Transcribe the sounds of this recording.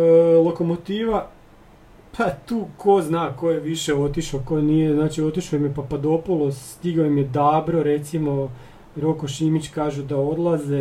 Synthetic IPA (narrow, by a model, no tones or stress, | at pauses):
lˠo̞ko̞mot̪iːʋa | pʰat̪uːkʰo̞znaːko̞jeʋiʃe̞o̞t̪iʃoko̞jnijeznaːt͡ʃio̞t̪iʃojimjepapad̪o̞polˠosst̪iɡaojimjed̪aːbɾo̞ɾe̞t̪simo̞ | ɾokoʃimit͡ɕkaːʒud̪ao̞d̪lˠaze